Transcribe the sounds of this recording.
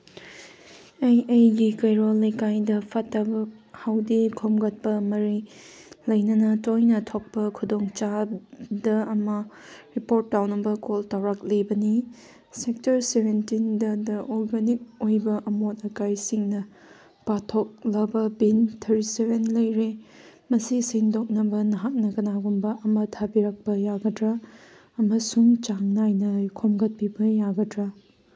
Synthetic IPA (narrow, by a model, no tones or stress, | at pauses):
ejejɡikɐjɾolːɐjkajdɐpʰɐtːɐbɐhawdikʰomɡɐt̚pɐmɐɾi | lɐjnɐnɐtojnɐtʰok̚pɐkʰudoŋt͡ʃadɐɐmɐ | ɾipoɾtːawnɐbɐkoltawɾak̚lebɐni | sek̚tɐɾseβentindɐdɐʔoɾɡanik̚ojbɐʔɐmotɐkajsiŋnɐ | patʰok̚lɐbɐbintʰɐɾisebenlɐjɾe | mɐsiseŋdok̚nɐbɐnɐɦak̚nɐkɐnaɡumbɐʔɐmɐtʰabiɾɐk̚pɐjaɡɐdɾɐ | ɐmɐsuŋt͡ʃaŋnajnɐkʰomɡɐt̚pibɐjaɡɐdɾɐ